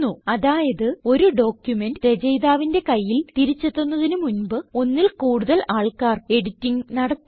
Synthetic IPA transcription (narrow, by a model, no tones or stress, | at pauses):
uɐðaːjɐðɨo̞ɾuɖo̞ːkjume̞ndɾed͡ʑɐjðaːʋinde̞kɐjːilt̪iɾit͡ɕːet̪ːonːɐðinumunbɨo̞nːilkuːɽuðɐlaːɭkaːre̞ɽitːiŋnɐɽɐt̪ː